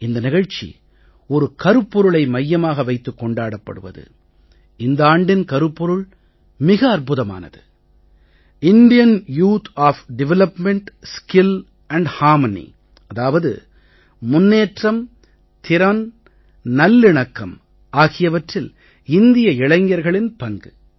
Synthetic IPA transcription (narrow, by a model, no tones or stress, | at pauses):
ɪnd̪ɐnɪɣɐɻt͡ʃḭ | ɔɾɯkɐɾɯpːɔɾɯɭɐɪmɐjːɐmaːɣɐʋɐɪt̪ːɯkːɔɳɖaːɽɐpːɐ̰ɽɯ̰ʋɐ̰ðɯ̰ | ɪnd̪ɐaːɳɖɪnkɐɾɯpːɔɾɯɭ | mɪɣɐːɾpʊðɐma̰ːnɐðɯ̰ | ɪnd̪ɪjɐnjuːt̪ʰaːfɖɪʋɛlɐpmɛɳʈskɪl | ɐɳɖhaːɾmɐnḭ | ɐðaːʋɐðɯ̰ | mʊnːeːʈrɐm | t̪ɪɾɐn | nɐlːɪɳɐkːɐm | aːɣɪjɐʋɐʈrɪl | ɪnd̪ɪjɐɪɭɐŋɐɾɣɐɭɪnpɐŋɡɯ